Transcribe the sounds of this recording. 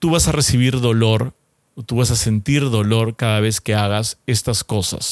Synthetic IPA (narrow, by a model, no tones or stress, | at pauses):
t̪uβasare̞siβ̞iɾðo̞lo̞ɾ | ot̪uβasase̞nt̪iɾðo̞lo̞ɾkaðaβ̞e̞ske̞aɣase̞st̪asko̞sa̰s